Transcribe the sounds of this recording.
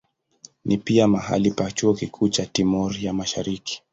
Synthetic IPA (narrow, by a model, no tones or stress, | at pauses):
nʔipiamaɦa̰lipat͡ʃuɔkikʰuːt͡ʃatimɔɾjamaʃa̰ɾiki̥